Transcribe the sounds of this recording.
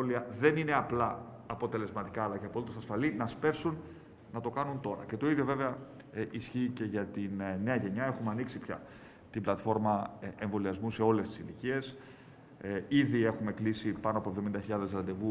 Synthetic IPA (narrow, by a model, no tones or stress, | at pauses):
oliɐðe̞nine̞ɐplɐːpo̞t̪e̞le̞zmɐt̪ikɐːlɐceɐpo̞lit̪o̞sɐsfɐlinɐspe̞fsun | nɐt̪o̞kɐnunt̪o̞ɾɐ̰ce̞t̪o̞iðʝo̞ve̞veɐ | ʔisçiːce̞ʝɐt̪inne̞ɐʝe̞ɲɐe̞xumeɐniksipçɐ̰ | t̪iblɐt̪fo̞ɾmɐeɱvo̞liɐzmuse̞o̞le̞st̪i̥silicie̞s | iðie̞xume̞klisipɐnoɐpovðo̞mind̪ɐçiʎɐðe̞zlɐnd̪e̞vu